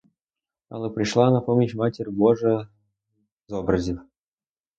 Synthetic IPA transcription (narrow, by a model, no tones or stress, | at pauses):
ɑ̰lˠɤpɾʲiʂlˠɑnapomʲiɕmatʲerʲboʐə | zobrəzʲif